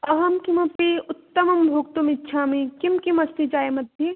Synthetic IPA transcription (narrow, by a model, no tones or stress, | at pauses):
ɐɦɐmkimɐpiʊtt̪ːɐmɐmbʱoːk̚t̪umitːʃʰaːmikimkimɐst̪ʰid͡ʒaːjmɐd̪ʱje